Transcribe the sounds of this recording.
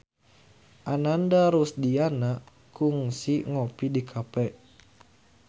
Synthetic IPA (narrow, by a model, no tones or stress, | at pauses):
ʔanandaɾusdianaʔ | kuŋsiŋopidikʰapɛʔ